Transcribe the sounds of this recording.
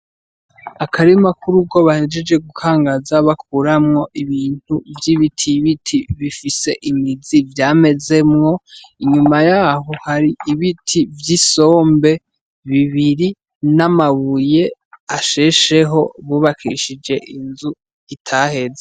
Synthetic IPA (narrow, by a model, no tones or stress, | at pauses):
akʰaɾimakuɾuɡo̞βahe̞d͡ʒe̞d͡ʒe̞ɡukʰaːŋɡazaβakuɾamŋo̞ʔiβiːn̥uvjiːβitʰiβitʰiβifise̞̰ʔimizivjaːme̞ze̞mŋo̞ | iɲumajaːɦohaɾiiβitʰivjisoːmbe̞ | βiβiɾi | namaβuje̞aʃeʃe̞ɦo̞βuβakʰiʃid͡ʒe̞ʔinzu | itʰahe̞ze